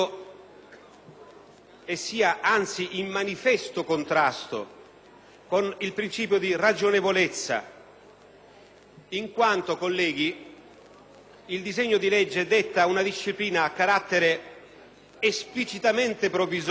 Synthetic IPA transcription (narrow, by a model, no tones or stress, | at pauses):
esːiːaʔant̪siʔimːanifɛst̪ʊkont̪ɾast̪o̰ | konilpɾint͡ʃiːp̬jod̪irad͡ʒonevolet̪sːa̰ | iŋkwant̪okolːɛːɡi | ild̪izeɲːoʊd̪ilɛd͡ʒːed̪et̪ːaunad̪iʃːipliːnaːkːaɾat̪ːeɾe | esplit͡ʃit̪ament̪epɾoviz